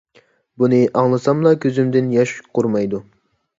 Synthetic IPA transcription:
bunɨʔɑŋlˠɨsɑmlˠɑkʲʰøzymd̪ɪnjɑʃqʰʊɾmɑjd̪u

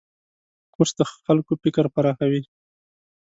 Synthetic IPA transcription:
kosd̪əxalkopɪkəɾpaɾɑxawi

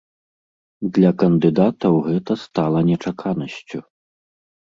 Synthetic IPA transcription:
d̪lʲɐkɐnd̪ɨd̪at̪ɐwɣɛt̪ɐst̪alˠɐnʲɛt͡ʂakʰanɐsʲt͡sʲu

